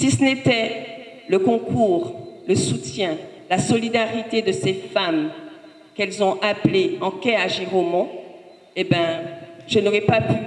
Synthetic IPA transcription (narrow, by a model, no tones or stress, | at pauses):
sisənet̪ɛ | ləkɔ̃kuːʁləsut̪jɛ̃ | lasɔlid̪aʁit̪ed̪əsefam | kɛlzɔ̃ʔapleɑ̃kɛaʒiʁomɑ̃ | ebjɛ̃ʒ̥ənoʁɛpapy